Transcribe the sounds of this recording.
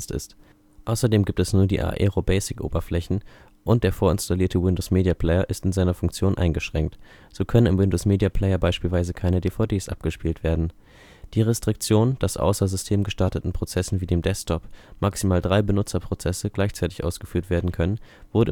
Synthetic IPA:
stɪ̰st | ʔaʊsɐdeːmɡiːp̚tɛsnuːɐdḭːʔa̰ːʔɛ̰ʁobɛɪsɪkʔo̰ːbɐflɛçn̩ | ʔʊnt̚d̥eːɐfoːɐɪnstaliːɐtʰəwɪndoʊsmeːdiapʰl̥ɛɪɐʔɪstɪnzaɪnɐfʊŋkt͡sjoːnʔa̰ɪnɡəʃʁ̥ɛŋk̚t | z̥oːkʰœnənɪmwɪndoːsmeːdiapʰl̥ɛɪɐbaɪʃpiːlvaɪzəkʰaɪnədeːfaʊdeːsʔa̰p̚ɡ̥əʃpiːltv̥eːɐdn̩ | d̥iːʁɛstʁ̥ɪk̚t͡sjoːnd̥asʔa̰ʊsɐzʏstʰeːmɡəʃtaɐtətn̩pʁ̥ot͡sɛsn̩viːdeːmdɛstʰɔpmʔaksimaːldʁaɪbənʊt͡sɐpʁ̥ot͡sɛsəɡ̥laɪçt͡saɪtɪ̥çʔa̰ʊsɡ̥əfyːɐtv̥eːɐdn̩kʰœnənv̥ʊɐdə

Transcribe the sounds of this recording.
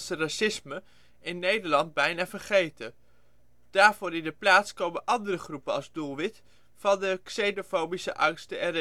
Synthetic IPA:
sərasɪsmə | ɪnːejdəɹlɑnd̚bɛjnaːvəɹχejtə | d̥aːɹv̥ʊːɾɪndəplaːtskowmənʔɑndərəχrupəɑ̰lˠzdulˠʋɪt | fɑndəksejnofowbisəʔɑŋstəɛɾ

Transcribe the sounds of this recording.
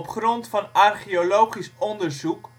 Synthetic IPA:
pχrɔntfɑnɑrχiolowχisɔndərzuk

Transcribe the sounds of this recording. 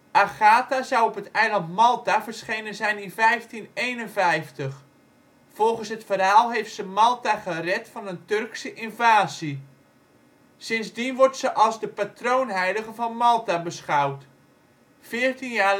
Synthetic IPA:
ʔaχaːtazawɔpɦətɛjlɑntmɑlˠtavərsχejnənzɛjnɪnfɛjftinejnənvɛjftəχ | fɔlˠχənsɦətfərɦaːlˠɦejftsəmɑlˠtaχərɛtfɑnəntɵrksəʔɪnvaːzi | sɪnzdinʋɔrtsəʔɑlˠzdəpatrownɦɛjdəɣəvɑnmɑlˠtabəsχawt | fɪːrtinjaː

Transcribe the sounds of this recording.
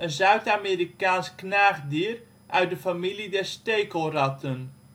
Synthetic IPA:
ənzœɥtameːɾikaːnsknaːχdiːr | ʔœɥt̚dəfamilidɛɹstejkolrɑtʰən

